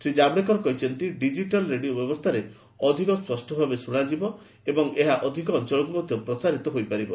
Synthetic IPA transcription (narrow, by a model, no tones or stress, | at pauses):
sɾid͡ʒabɽek̬ɔɾɔkɔɦit͡ʃʰɔnt̪iɖid͡ʒiʈalɾeɽiobjɔbɔst̪ʰaɾe | ɔd̪ʱikɔspɔsʈʰɔbʱabesuɽ̃ad͡ʒibɔ | ebɔŋeɦaʔɔd̪ʱikɔːnt͡ʃɔɭɔkumɔd̪ʱjɔpɾɔsaɾit̪ɔɦojpaɾibɔ